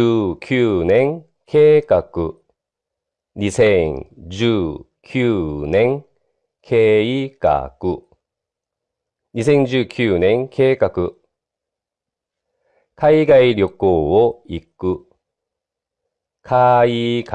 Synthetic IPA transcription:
kʲʰɨːnẽ̞ŋ | kʰe̞ːkakɯ | ɲisẽ̞ŋd͡ʑɨː | kʲʰɨːnẽ̞ŋ | kʰe̞ːika̰kɯ | ɲisẽ̞ɲd͡ʑɨːkʲʰɨːnẽ̞ŋkʰe̞ːkakɯ̟ | kʰaiɡaiɾʲjo̞koːoikɯ | kʰaik

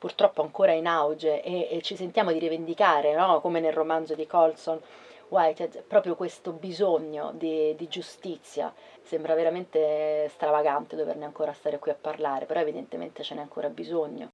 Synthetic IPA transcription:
purt̪ɾɔpːoaŋkoːɾainawd͡ʒeʔeːt͡ʃːisent̪jaːmod̪iɾivend̪ikaːɾenɔkomenelromand̪zod̪ikɔlson | wajt͡ʃɛɛpɾɔːpɾjokwest̪obizoɲːo̰d̪id̪id͡ʒust̪it̪sːja̰ | sɛmbɾaveɾament̪est̪ɾavaɡant̪ed̪ovḛrneaŋkoːɾast̪aːɾekwiapːarlaːɾepeɾɔevid̪ent̪emḛnt̪et͡ʃenɛaŋkoːɾabizoɲːo̰

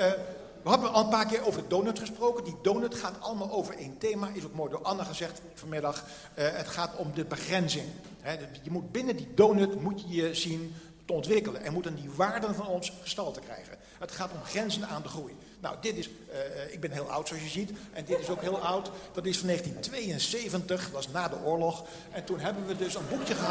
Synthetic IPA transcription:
ʋəɦɑbənɑlˠənpaːɹkɪːɹowvəɹdədonɵtχəsprowkəndidownɵtχaːtɑlˠəmaːlˠowvəɹejntejmaːʔɪsokmoːjdʊːɹʔɑnəχəzɛχt | fɑnmɪdɑχ | ətχaːtɔmdəbəχrɛnzɪŋ | ɦɛjəmud̚bɪnədidoːnøtmutəjəzin | təɔntʋɪkələnʔɛ̰nmutəndiʋaːɹdənvɑnɔnsχəstɑlˠtəkrɛ̰jχə̰n | ɦətχaːtɔmχrɛnzənaːndəχruj | na̰wdɪtɪs | ɪɡ̚bɛnɦɪːlˠʌ̰wtsoɑsjəzitʔɛndɪtɪsowkɦɪːlˠʌwtd̥ɑtɪsfɑneːχəntintʋejənsejvəntəχʋɑsnaːdəʔʊːɹlɔχ | ʔɛntunɦɛbənʋədɵsənbukjəχə

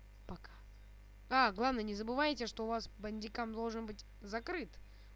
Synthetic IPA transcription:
pɐkḁ | aɡlˠavnəjənʲɪzəbɨvajɪtʲɪʂt̪oʊvasbənʲdʲɪkamd̪o̞lˠʐɨnbɨtʲ | zɐkɾɨt̪

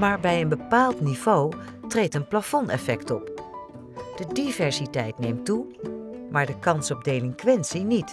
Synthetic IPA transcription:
maːɹbɛjənbəpaːlˠtnivow | trejtənplafɔnɛfɛktɔp | d̥ədivɛɹsitɛjtnejmtu | maːɹdəkɑnsɔb̚dejlɪŋkʋɛnsinit

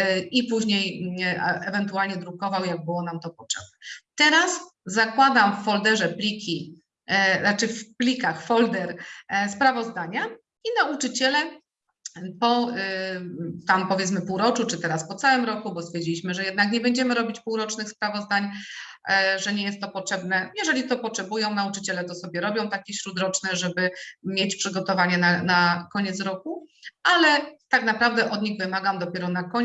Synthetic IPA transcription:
ipuʑɲej | ʔɛvɛnt̪ualɲɛd̪ɾukɔvawjaɡ̚bɘwɔnamt̪ɔpɔtʂɛb̚nɛt̪ɛɾaszakwad̪amfːɔld̪ɛʐɛplʲikʲi | at͡ʂɘfplʲikaxfɔld̪ɛɾspɾavɔzd̪aɲa | inaut͡ʂɘt͡ɕɛlɛ | pɔ | t̪ampɔvʲjɛt̪smɘpuwɾɔt͡ʂut͡ʂɘt̪ɛɾaspɔt̪sawɘmɾɔkubɔst̪fʲjɛɾd͡ʑilʲiɕmɘʐɛjɛd̪nakɲɛbɛɲd͡ʑɛmɘɾɔbʲit͡ɕpuwɾɔt͡ʂnɘxspɾavɔzd̪aɲ | ʐɛɲɛjɛst̪ːɔpɔtʂɛbn̪ɛjɛʐɛlʲit̪ɔpɔtʂɛbujɔ̃w̃naut͡ʂɘt͡ɕɛlɛt̪ɔsɔbʲjɛɾɔbʲjɔ̃w̃t̪akʲɛɕɾud̪ɾɔt͡ʂnɛʐɛbɘmʲjet͡ɕpʂɘɡɔt̪ɔvaɲɛnanakɔɲɛt̪s̬ɾɔkualɛt̪aknapɾavd̪ɛʔɔd̪ɲiɣvɘmaɡamd̪ɔpʲjɛɾɔnakɔɲ

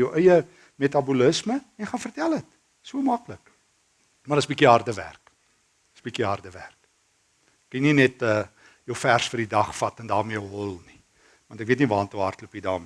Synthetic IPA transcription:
əwʔœjə | metɐbuləsməɛnχɑnfərtælˠət | suəmɐklək | mɐdəsbikiɦɐrdəvæ̰rk | əsbikiɦɑrdəvæ̰rk | kininɛtə | jəwfærsfərdidɐχfɐtɛndɑːrmiəəɦɔlˠni | vɐntɛkviətnivɑːntuɦɐ̰rtləpidɑ̰ːmi

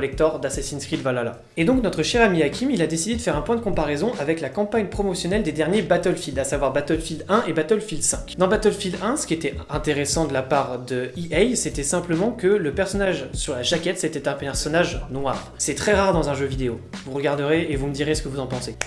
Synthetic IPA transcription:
lɛk̚t̪ɔʁd̪asasinskχid̪vwalala̰ | ed̪ɔ̃knɔt̪χəʃɛʁamiakʲimilad̪esid̪ed̪əfɛʁɛ̃pwɛ̃d̪əkɔ̃paʁɛzɔ̃ʔavɛklakɑ̃paɲpχɔmɔsjɔnɛld̪ed̪ɛʁnjebat̪œlfild̪asavwaʁbat̪œlfild̪ɛ̃ʔebat̪œlfild̪sɛ̃kʲd̪ɑ̃bat̪œlfild̪ɛ̃sə̥kʲiet̪ɛɛ̃t̪eʁesɑ̃d̪əlapaʁd̪əiʔɛjset̪ɛsɛ̃pləmɑ̃kələpɛʁsɔnaʒsyʁlaʒakʲɛt̪set̪ɛt̪ɛ̃ɛʁsɔnaʒnwaʁsɛt̪χɛʁaʁd̪ɑ̃zɛ̃ʒøvid̪eovuʁəɡaʁd̪əʁeevuməd̪iʁesə̥kəvuzɑ̃pɑ̃se

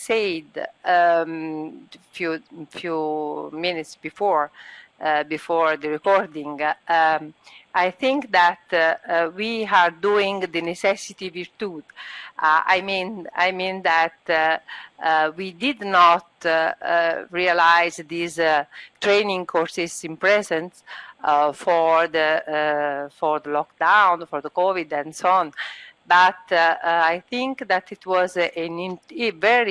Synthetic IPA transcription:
sejd̪ | fjufjuminit̪sbifɔɹ | bifɔɹd̪əɹɛkɔɹd̪ĩŋ | ajθĩŋkd̪æt̪wiaɾd̪uĩŋd̪ənesɛsit̪iviɾt̪ud | a̰jmĩna̰jmĩnd̪æt̪ | wid̪id̪nɔt̪ | ɹialajzd̪izt̪ɹejnĩŋkʰɔɹsisĩnpɹɛzɛ̃ns | fɔɹd̪ə | fɔɹd̪əlɔkd̪ãw̃nfɔɹðəkɔvid̪ɛ̃nsoɔ̃nbat̪ajθĩŋkd̪æt̪it̪wɔzɛnĩnvɛɹi

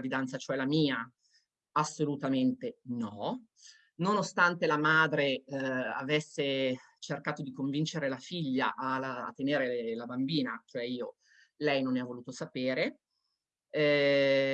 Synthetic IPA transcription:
vid̪ant̪sat͡ʃoɛlamiːa | asːolut̪ament̪enɔ | nonost̪ant̪elamaːd̪ɾea̰vesːe | t͡ʃerkaːt̪od̪ikoɱvint͡ʃeɾelafiʎːa̰ʔala̰ːt̪ːeneːɾelabambiːnat͡ʃoɛiːo | lɛjnoneavːoluːt̪osapeːɾe

